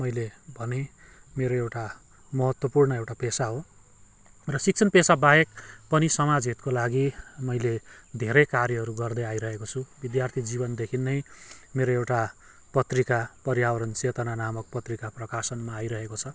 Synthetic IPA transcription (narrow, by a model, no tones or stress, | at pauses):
mʌjlebʱʌne | meɾoewʈa | mʌɦʌt̪wʌpurnʌewʈapesaɦo | rʌsik̚t͡sʰʌnpesabajek̚pʌnisʌmad͡zɦit̪kolaɡimʌjled̪ʱeɾʌjkarjʌɦʌɾuɡʌrd̪ʌjajɾʌɦekot͡sʰubid̪jart̪ʰid͡zibʌnd̪ekʰinːʌjmeɾoewʈa | pʌt̪rikapʌɾjawʌɾʌnt͡set̪ʌnanamʌk̚pʌt̪rikaprʌkasʌnmaːjɾʌɦekot͡sʰʌ